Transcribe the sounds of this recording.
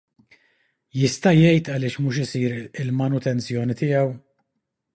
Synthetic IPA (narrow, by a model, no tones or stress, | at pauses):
jɪst̪ɐjɛjt̪ɐlɪːʃmuːʃ̬ɪsiːɾɪlmɐnʊt̪ɛnt͡sjɔːnit̪ɪjɐw